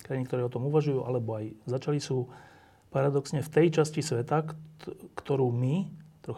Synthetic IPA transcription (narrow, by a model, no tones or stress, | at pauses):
kɾajinikt̪ɔɾɛːɔt̪ɔmuʋaʒujuːʔalɛbɔajzat͡ʃalisuː | paɾad̪ɔksɲɛft̪ɛjt͡ʃascisʋɛt̪a | kt̪ɔɾuːmit̪ɾɔx